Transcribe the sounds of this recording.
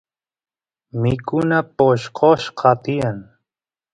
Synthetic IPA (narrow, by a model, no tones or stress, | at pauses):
mɪkʊnapoʃqʰoʃqʰɑt̪ijan